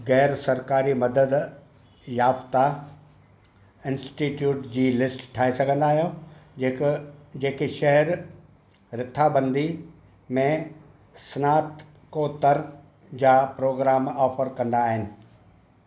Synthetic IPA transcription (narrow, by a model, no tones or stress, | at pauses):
ɣɛːɾsɐɾkaːɾimɐd̪əd̪ | jaːft̪a | ɪ̃nsʈiʈjuːʈd͡ʑiːlɪsʈʈʰaːesɐɡʱə̃nd̪aːɦijod͡ʑeːkd͡ʑeːkeʃɐɦɾ | ɾɪt̪ʰːabɐ̃nd̪i | mẽ | snaːʈ | koːt̪ɐɾ | d͡ʑaːpɾoːɡɾaːmɔːfəɾkɐ̃nd̪aːɦɪnɪ̆